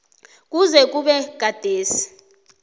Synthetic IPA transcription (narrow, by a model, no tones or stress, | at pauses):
k̬ʼuzɛk̬ʼuɓɛɡ̥̬ʱad̥ʱeːsi̥